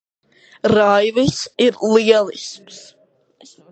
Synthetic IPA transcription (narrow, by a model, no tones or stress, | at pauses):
ɾajvɨsiɾlˠiɛlˠisms